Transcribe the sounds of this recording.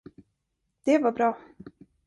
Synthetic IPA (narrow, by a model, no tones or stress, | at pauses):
d̪̥ɛvabɾɑː